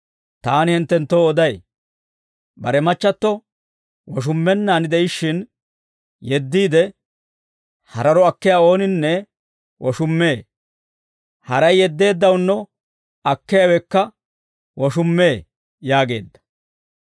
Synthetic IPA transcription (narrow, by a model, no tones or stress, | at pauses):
t̪aːnɪhɪnt̪ːɛnt̪ːoːɔd̪ɐj | bɐɾɛmɐt͡ʃːɐt̪ːɔ | wɔʃ̬ʊmːɛnːaːnɪd̪ɛɪʃːɪn | jɛd̪ːiːd̪ɛ | hɐɾɐɾɔɐkːɪjaːo̞ːnɪnːɛ | wɔʃʊmːe̞ː | hɐɾɐjːɛd̪ːe̞ːd̪ːɐwnːɔ | ɐkːɛjawɛkːɐ | wɔʃʊmːe̞ː | jaːɡe̞̰ːd̪ːɐ̥